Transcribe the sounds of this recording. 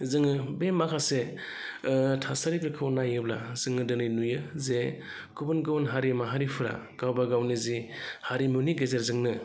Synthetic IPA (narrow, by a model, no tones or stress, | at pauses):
zɯŋɯbemakʰase | tʰasaɾipɾikʰɯwnajɯbla̰z̥ɯŋɯdɯnɯjnujɯze | kʰɯbɯnɡɯwnɦaɾimaɦaɾipʰɯɾa̰ | ɡ̥awbaɡawnizihaɾimuniɡezeɾzɯŋnɯ